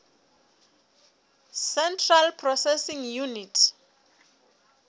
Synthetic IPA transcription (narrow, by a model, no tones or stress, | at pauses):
sɛntʰralpʰrɔsɛsiŋjunitʰ